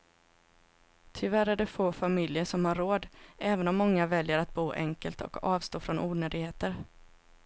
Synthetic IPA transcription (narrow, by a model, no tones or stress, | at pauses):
t̪ʰɪvæɾæɖɛfoːfamɪljəʂɔmhaɾːoːd̪ʔɛːvənɔmːɔŋːavɛljəɾat̪̚buːʔɛ̰ŋkəlt̪ɔ̰kɑːvst̪oːfɾɔnʔuːnøːd̪ɪɡheːt̪əɾ